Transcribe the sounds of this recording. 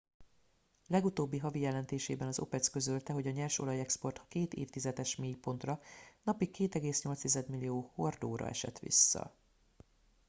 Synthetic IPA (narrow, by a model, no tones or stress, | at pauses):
lɛɡut̪oːbːiɦɒvijɛlɛnt̪eːʃeːbɛnɒzo̞̰pɛt̪skø̞zølt̪ɛɦo̞ɟɒɲɛlʃo̞̰lɒjɛkspo̞rt̪keːt̪ḛːft̪izɛd̪ɛʃmeːjpo̞nt̪rɒnɒpikːeːt̪ɛɡeːsɲo̞lt̪st̪izɛd̪milːijoːho̞rd̪oːɾɒ̰ɛ̰ʃɛ̰t̪ʋḭsːɒ̰